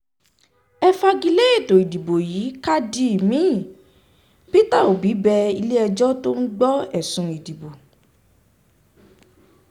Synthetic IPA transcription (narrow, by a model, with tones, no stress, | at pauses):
ɛ˧fa˧ɡi˧le˦e˦˨to˨i˨di˨bo˨ji˨˦ka˦di˧i˨mĩ˨˦˨ | pi˦ta˦˨o˨bi˨˦bɛ˧i˧le˦ɛ˧d͡ʒɔ˦to˦n̩˦ɡ͡bɔ˦ɛ˦˨sũ˧i˨di˨bo˨